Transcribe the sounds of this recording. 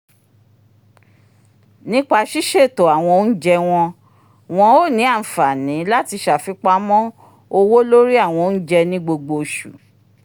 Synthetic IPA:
nĩ˦k͡pa˧ʃi˦ʃe˦˨to˨a˨w̃ɔ̃˧n̩˦d͡ʒɛ˧w̃ɔ̃˧ | w̃ɔ̃˧o˦˨nĩ˨˦a˦˨fa˨nĩ˨˦la˦ti˧ʃa˨fi˨˧˦k͡pa˧˦mɔ̃˦ | o˧wo˦lo˦ɾi˦a˦˨w̃ɔ̃˧n̩˦d͡ʒɛ˧nĩ˦ɡ͡bo˧ɡ͡bo˧ʃṵ˨

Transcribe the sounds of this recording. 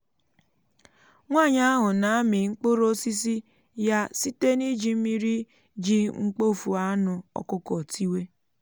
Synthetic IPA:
ŋʷa˦˨ɲa˦a˦ɦʊ˨na˨a˦mɪ˨ŋ͡m̩˦k͡po˦ɾo˦si˦s̬i˦ | ja˦si˦te˦ni˦d͡ʒi˨˦mi˦ɾi˦ | d͡ʒi˦ŋ͡m̩˦k͡po˦˨fu˨a˦nʊ˨ɔ̰˨kʊ˦kɔ˨tʰi˦we˦

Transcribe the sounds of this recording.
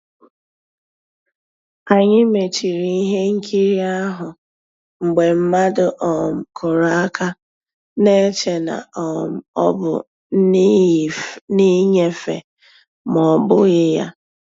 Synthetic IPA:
a˨ɲɪ˦me˨t͡ʃi˨ɾi˦i˦ɦe˦ŋ̩˦kʰi˦ɾi˦a˦ɦʊ˨ | ŋ͡m̩˨ɡ͡be˨m̩˦ma˦dʊ˦ʔɔ˨kʰʊ˨ɾa˨a˦kʰa˦ | ne˦t͡ʃe˨na̰˨ | ɔ̰˦bʊ̰˨˦ | ni˦ɲe˦fḛ˨ | mɔ˨bʊ˦ɣɪ˦ja˦

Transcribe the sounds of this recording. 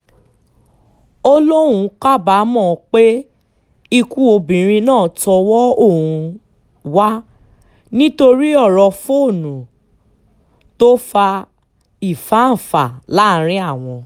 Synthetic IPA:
o˧lo˦ũ˧ka˦˨ba˨˦mɔ̃˦˨k͡pe˦ | i˧ku˦o˧bĩ˨ɾ̃ĩ˧nãː˦˨tɔ˧wɔ˦o˦˨ũ˨˧ | wa˦ | nĩ˦to˧ɾi˦ɔ˦˨ɾɔ˧fo˦˨nũ˨ | to˦fa˧ | i˨fa˨˦n̩˨fa˨la˨˦˨ɾ̃ĩ˦a˦˨w̃ɔ̃˧

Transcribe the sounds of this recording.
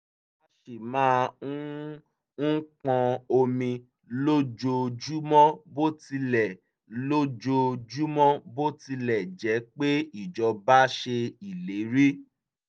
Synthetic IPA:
a˧˦ʃe˨mãː˦ | n̩˦kã˧o˧mĩ˧ | lo˦d͡ʒo˧d͡ʒu˦mɔ̃˦bo˦ti˧lɛ˨ | lo˦d͡ʒo˧d͡ʒu˦mɔ̃˦bo˦ti˧lɛ˨d͡ʒɛ˨˦k͡pe˦i˦˨d͡ʒɔ˧ba˦ʃe˧i˨le˨˦ɾi˦

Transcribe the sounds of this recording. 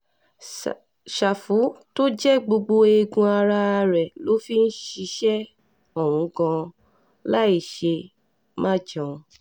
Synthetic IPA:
ʃa˨fu˨˦to˦d͡ʒɛ˦ɡ͡bo˧ɡ͡bo˧e˧ɡũ˧a˧ɾa˧ɾɛ˨lo˨˦fi˦n̩˦ʃi˧˦ʃɛ˦ | ɔ˨w̃ũ˨˦kã˧ | la˦i˦˨ʃe˧ | mã˦d͡ʒã˨˧

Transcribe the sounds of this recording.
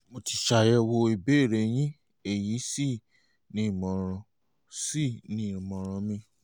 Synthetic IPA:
mo˧ti˧ʃa˨jɛ˧wo˧i˧˨be˦e˦˨ɾe˨j̃ĩ˦ | e˨ji˨˦si˦˨ | nĩ˦i˦˨mɔ̃˨ɾ̃ɔ̃˧ | si˦˨nĩ˨˦i˨mɔ̃˨ɾ̃ɔ̃˧mĩ˧˦

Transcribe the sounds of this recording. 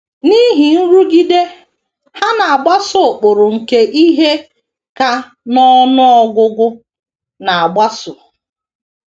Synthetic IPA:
ni˦ɦi˨n̩˦ɾu˦ɡi˦de˦ | ha˦na˨a˨ɡ͡ba˦sʊ˨k͡pʊ˨ɾʊ˨ŋ̩˨ke˦ʔi˦ɦe˦ | ka˦ | nɔ˦nʊ˦ɔ˦ɡʷʊ˦ɡʊ˦ | na˨a˨ɡ͡ba˦sʊ˨

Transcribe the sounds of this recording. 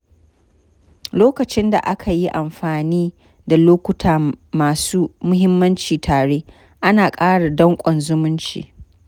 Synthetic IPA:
loː˦kɐ˨t͡ʃɪ˦nda̰˨ʔa˦kʰa˨ji˦ʔa˨mɸaː˨niː˦ | da˨loː˦kʷʊ˦tʰaː˨maː˨suː˦mʊ˦ɦɪ˦mːɐ˦nt͡ʃiː˨tʰaː˨ɽeː˦ | ʔa˦naː˨kʼaː˦ɽa˨dɔ˦ŋkʷʼɔ˨nzʊ˦mʊ˦nt͡ʃḭː˨

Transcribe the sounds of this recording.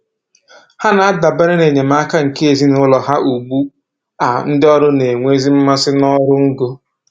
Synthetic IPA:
ha˦na˨a˦da˨be˦ɾe˦ne˨ɲe˨ma˦ka˦ŋ̩˨ke˦e˨zi˦nʊ˦lɔ˨ɦa˦ʔu˨ɡ͡bu˦ | a˨n̩˦dɪ˦ɔ˦ɾʊ˦ne˨ŋʷe˦zi˦m̩˦ma˦sɪ˦nɔ˦ɾʊ˦ŋ̩˦ɡo˦

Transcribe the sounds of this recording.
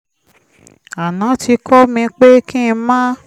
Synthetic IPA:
a˨nã˨˦ti˧kʰɔ˦mĩ˧k͡pe˦kĩ˦˧mãː˦

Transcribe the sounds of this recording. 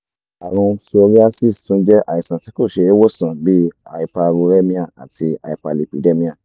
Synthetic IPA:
a˨ɾ̃ũ˧so˧ɾi˦a˦si˦˨stũ˦d͡ʒɛ˦ʔa˨i˨sã˨ti˨˦ko˦˨ʃe˧e˦wɔ˦˨sã˨bi˦a˧i˧pa˧ɾu˧ɾɛ˦mĩ˦a˦˨a̰˨ti˧a̰˧i˧pa˧˨li˨pi˨de˦mĩ˦a˦˨

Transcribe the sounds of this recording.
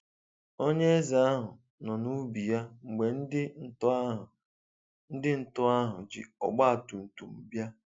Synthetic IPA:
o˦ɲe˦e˦za˨a˦ɦʊ˨ | nɔ˨nu˦bi˨ja˦ŋ͡m̩˨ɡ͡be˨n̩˦dɪ˦˨˦ | n̩˦dɪ˦n̩˨tʊ˦a˦ɦʊ̰˨d͡ʒɪ̰˨ɔ̰˨ɡ͡ba˦a˨tu˨n̩˨tu˨m̩˨bja˦

